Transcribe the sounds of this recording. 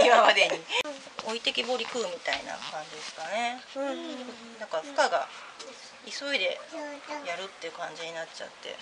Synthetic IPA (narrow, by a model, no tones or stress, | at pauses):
imamad̪eɲi | o̞it̪e̞kʲibo̞ɾʲikɯːmʲit̪aina̰kãɲ̟d͡ʑid̪esɨ̥kane̞ | kɯ | nãŋkazɨ̥kaɡa | iso̞id̪e̞jaɾɯ̟t̪ːe̞ɯ̟kãɲ̟d͡ʑiɲ̟inat͡ɕa̰t̪ːe̞̰